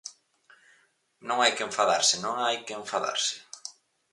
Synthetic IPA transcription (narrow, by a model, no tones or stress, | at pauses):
nõŋajkeɱfaðaɾsɪnõŋajkeeɱfaða̰ɾsɪ̥